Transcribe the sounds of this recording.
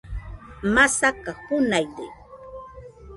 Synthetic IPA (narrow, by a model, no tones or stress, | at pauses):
masakahʊnajd̪ɪ̰